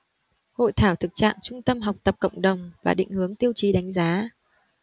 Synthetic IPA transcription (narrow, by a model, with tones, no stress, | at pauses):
ho̰˧˨jt̪ʰaː˧˩wt̪ʰɨ˨˩k̚t͡ɕa̰ː˧˨ŋt͡ɕʊ˧ŋ͡mt̪ə˧mɦa˨˩wk͡p̚t̪ə˨˩p̚kə̰˧˨wŋ͡mɗə˨˩wŋ͡mvaː˨˩ɗḭ̈˧˨ŋ̟hɨ˨˦əŋt̪i˧əwt͡ɕi˨˦ɗa˨˦jŋ̟zaː˨˦